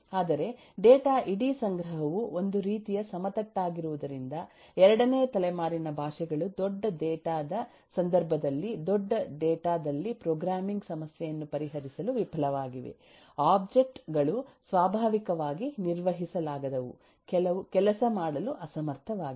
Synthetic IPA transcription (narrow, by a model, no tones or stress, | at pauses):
aːd̪ɐɾe̞ | ɖɛːʈaːʔiɽisɐŋɡɾɐɦɐʋuond̪uɾiːt̪ijɐsɐmɐt̪ɐʈːaːɡiɾuʋud̪ɐɾind̪ɐ | ɛɾɐɽɐneːɐt̪ɐlɛmaːɾinɐbʱaːʂɛɡɐɭud̪ɔɖːɐɖɛːʈaːd̪ɐ | sɐnd̪ɐɾbʱɐd̪ɐlːid̪ɔɖːɐɖɛːʈaːd̪ɐlːipɾoːɡɾaːmiŋɡsɐmɐsjɛjɐnːupɐɾiɦɐɾisɐluʋipʰɐlɐʋaːɡiʋḛ | aːb̚d͡ʒe̞k̚ʈɡɐɭusʋaːbʱaːʋikɐʋaːɡiniɾʋɐɦisɐlaːɡɐd̪ɐʋṵ | kɛlɐukɛlɐsɐmaːɽɐluʔɐsɐmɐɾt̪ʰɐʋaːɡi